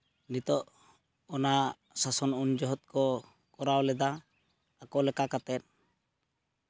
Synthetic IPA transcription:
nit̪ɔʔ | ɔna | sasɔnund͡ʒɔɦɔt̪̚kɔ | kɔɾawlɛd̪aː | kɔlɛkakat̪ɛt̪̚

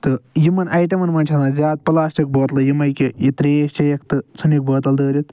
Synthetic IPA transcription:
t̪ɨjimɐnɐjʈɐmɐnmɐnʲt͡ʃʰɐnazʲaːt̪̚pɐlaːsʈʲɐk̚boːt̪lɐjimɐjkijit̪ɾiʃt͡ʃʲɐjɐkt̪ɨt͡sʰɨnik̚boːt̪ɐld̪əːɾʲit̪

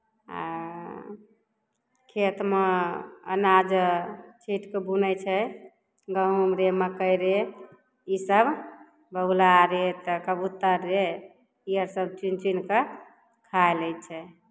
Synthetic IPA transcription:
a̰ | kʰet̪meə̰nad͡ʒt͡ʃʰiʈkebunət͡ʃʰɛ | ɡəɦumɾeməkəjɾe | isəb | bəulaɾet̪əkəbut̪ːəɾːe | iəɾsəb̚t͡ʃint͡ʃinke | kʰaeləj̪t͡ʃʰɛ

